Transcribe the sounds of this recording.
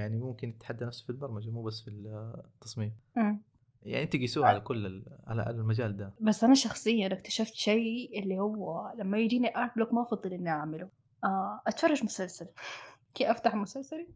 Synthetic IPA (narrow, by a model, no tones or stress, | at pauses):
jaʕnimʊmkɪnɪt̪ːħad̪ːanafsfilbɑɾˤmad͡ʒmuːbasːfit̪ːɑsˤmiːmʔmː | jaʕiʔɪnt̪iɡisuːʕalakʊlːɪʕa̰la̰a̰lalmad͡ʒaːld̪abasːʔanaʃɑxsˤɨjːanakt̪ḁʃaft̪ʃejʔɪlːihʊwːalamːajɪd͡ʒiːniʔatblokmaʔɑfɑd̪ˤːɨlʔɪnːiʔaʕmɪlu | ʔaʔat̪fɑrˤːɑʒmʊsalsal | kiːʔaft̪aħmʊsalsali